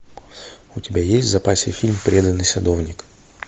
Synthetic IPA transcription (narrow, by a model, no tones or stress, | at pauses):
ʊtʲɪbʲajesʲtʲzɐpasʲə̰fʲilʲmpɾʲed̪ənːɨjsɐd̪o̞vnʲɪk